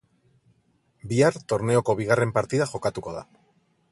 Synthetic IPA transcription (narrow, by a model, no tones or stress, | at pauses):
biaɾt̪o̞ɾne̞o̞ko̞β̞iɣ̞are̞mpaɾt̪iðaxo̞kat̪uko̞ð̞a̰